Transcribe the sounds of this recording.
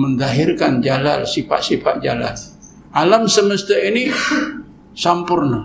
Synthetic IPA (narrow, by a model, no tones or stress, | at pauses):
mənd̪aɦɪrkand͡ʒala̰lsifa̰ʔsifa̰ʔd͡ʒala̰l | ʔalamsəməst̪aini | sampʊrna